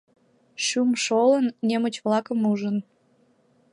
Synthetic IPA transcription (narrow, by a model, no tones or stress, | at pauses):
ʃumʃolənːemət͡ɕβlɑkəmuʒən